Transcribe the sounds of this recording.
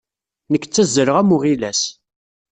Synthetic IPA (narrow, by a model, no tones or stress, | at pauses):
nəkːt͡sːæzːəɾəʁæmuʁilæs